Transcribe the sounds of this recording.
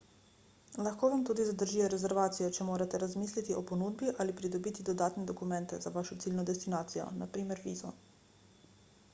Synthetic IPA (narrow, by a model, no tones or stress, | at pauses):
laxkoːʋamt̪uːd̪izad̪əɾʒijɛɾɛzɛɾʋaːt̪sijɔt͡ʃɛmoːɾat̪ɛɾazmiːslit̪iɔpɔnuːd̪biʔalipɾid̪ɔbiːt̪id̪ɔd̪aːt̪nɛd̪ɔkumɛnt̪ɛzaʋaːʃɔt̪siːlnɔd̪ɛst̪inaːt̪sijɔ̰napɾiːmɛɾʋiːzɔ̰